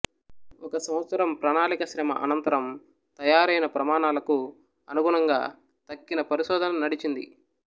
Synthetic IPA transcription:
ɔkɐsɐmʋɐt̪sɐɾɐmpɾaːnaːlikɐsɾɐmɐ̰ʔɐ̰nɐnt̪ɐɾɐm | t̪ɐjaːɾɐjnɐpɾɐmaːnaːlɐku | ɐnuɡuɳɐŋɡa̰ː | t̪ɐkːinɐpɐɾiʃɔːd̪ʱɐnɐnɐɽit͡ʃind̪ḭ

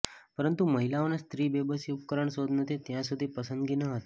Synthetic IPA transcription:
pəɾənt̪uməɦilaonast̪ɾibebəsiupkəɾəɳsod̪ʱnət̪ʰit̪jãsud̪ʱipəsənd̪ɡinəɦət̪i̥

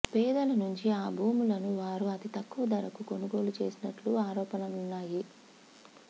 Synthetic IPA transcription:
pɛːd̪ɐlɐnuɲt͡ʃiaːbʱuːmulɐnuʋaːɾuɐt̪it̪ɐkːuʋɐd̪ɐɾɐkuko̞nuɡo̞ːlut͡ʃe̞ːsinɐʈluaːɾɔːpɐnɐmunːaːji

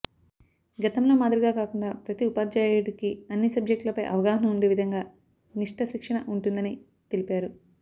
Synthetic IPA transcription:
ɡɐt̪ɐmlo̞ːmaːd̪ɾiɡaːkaːkuɳɖaːpɾɐt̪iupaːd̪d͡ʒaːjuɽikiɐnːisɐb̚d͡ʒek̚ʈlɐpɐjʔɐ̰ʋɐɡaːɦɐnɐmuɳɖeːʋid̪ʱɐŋɡaː | niʂʈɐʃikʂɐɳɐ̰ʔuɳʈund̪ɐni | t̪elipaːɾu

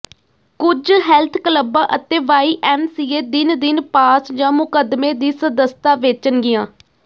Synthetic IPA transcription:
kʊd͡ʒɦɛːlt̪ʰkələbãːʔət̪ẽːʋaːiːʔɛːmsiːeːd̪ɪnd̪ɪnpaːsd͡ʒãːmʊkəd̪mẽːd̪iːsəd̪əst̪ãːʋeːt͡ʃənɡɪjãː

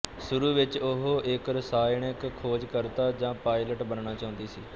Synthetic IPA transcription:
sʊɾuːʋɪt͡ʃʊɦoʔɪkɾəsaːjɳɪkʰːoːd͡ʒkəɾt̪aːd͡ʒãːpaːɪləʈbənɳaːt͡ʃaːʊ̃nd̪iːsḭː

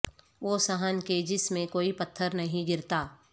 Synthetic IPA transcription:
ʋoːsɐɦənked͡ʒɪsmẽkoːipɐt̪ʰːəɾnɐɦĩɡɪɾt̪aː

